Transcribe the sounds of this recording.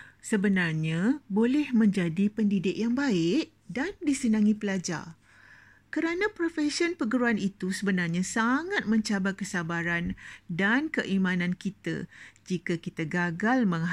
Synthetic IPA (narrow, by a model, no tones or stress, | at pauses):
səbənarɲãbolɛhmə̃ɲd͡ʒadipəndidɪk̚jaŋbaɪʔ | dandisənãŋĩpəlad͡ʒa̰r | kəɾanãpɾofɛsiɔnpəɡəɾuanit̪usəbənarɲãsaŋat̪̚mə̃ɲt͡ʃabakəsabaɾandankəʔimãnãnkit̪a̰d͡ʒikakit̪aɡaɡalmə̃ŋ